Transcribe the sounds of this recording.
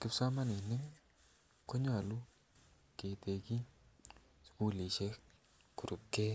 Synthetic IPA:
kɪ˦psa˦ma˦ne˨nɪ˦ŋ | kʰo˦ɲ˦a˨lu˦ | ke˨te˨ki˦ | sku˦li˨ʃɛ˦ | ku˨ɾu˨p̚ke˦

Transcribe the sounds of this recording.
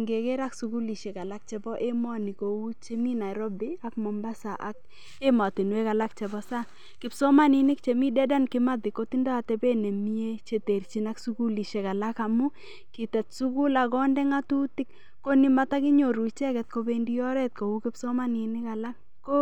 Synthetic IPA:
ŋɡe˨kɛ˦ɾa˦ksuku˦li˨ʃe˨ka˨la˦k̚t͡ʃɛ˨bɔ˦ʔe˦mɔ˦ni˨ko˨wu˦t͡ʃe˦mi˦na˨ɾɔ˦bɪ˦a˦kmɔ˨mba˦sa˨ʔa˨k̚ | e˦ma˨ti˨nwɛ˦ka˨la˦k̚t͡ʃɛ˨bɔ˦sa˦ | kɪ˨psɔ˦ma˦ni˨nɪ˦kt͡ʃe˨mi˦dɛ˦da˦nkɪ˦ma˦dɪ˨ko˦ti˦ndɔ˦a˨tɛbe˦ne˨mi˦e˦t͡ʃe˨te˨rt͡ʃi˨na˦ksu˦ku˦li˨ʃe˨ka˨laka˨mu˦ | kɪ˨tɛ˨t̚su˦ku˦la˨kɔ˦ndɛ˦ŋa˦tu˦ti˦kː | o˦ni˦mata˦kɪ˦ɲo˨ɾu˨t͡ʃɛ˦kɛ˨t̚kobe˦ndi˦jɔ˦ɾɛ˦t̚ko˨wu˦kɪ˦psɔ˦ma˦ni˨nɪ˦ka˨la˦kːo˦

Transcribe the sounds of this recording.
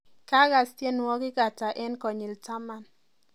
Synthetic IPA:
ka˦ɡa˨stje˦n˨wɔ˦ɡɪ˦ɡa˨ta˨ʔɛ˦nkɔ˨ɲi˨lta˦ma˨n

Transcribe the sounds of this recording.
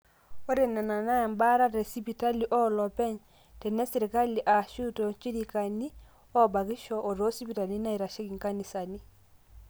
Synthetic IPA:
ɔ˦ɾe˨na˨na˨na˦ja˨mba˦ɾa˦ɾe˨si˦pi˨ta˦li˨ʔɔ˦lɔ˨pɛ˦ɲ | tɛ˨nɛ˦si˨ɾi˨ka˦li˨ʔa˨ʃu˦to˨t͡ʃi˦ɾi˨ka˨ni˦ | ɔ˦ba˨ɡi˦ʃɔ˨ʔːɾo˦si˦pi˨ta˨li˦na˦i˨ɾa˨ʃɛ˦ki˨ŋka˦ni˨sa˨ni˦

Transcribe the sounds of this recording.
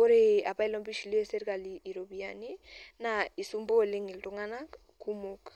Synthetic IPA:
o˦ɾea˨pa˦i˦lɔ˦mbi˦ʃi˨li˦e˦se˦ɾka˨lii˨ɾo˨biani˦nai˨su˦mbo˦˨le˦ŋi˨ltuŋana | ku˦mok

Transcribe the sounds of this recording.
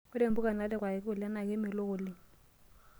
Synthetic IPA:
ʊ˦de˨m˦bu˦ka˨na˨˦lɪ˦kwa˨ɪ˨k̬ɪ˦ʊ˨lɪ˦a˦na˨kɪ˦mɪ˨lo˦ɣʊ˨lɪ˦˨

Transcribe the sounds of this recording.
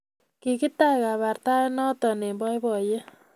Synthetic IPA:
ki˨ki˦ta˦ka˨βa˨ɾta˦nɔ˦tɔ˨ne˨mbɔ˦jbɔ˨je˦

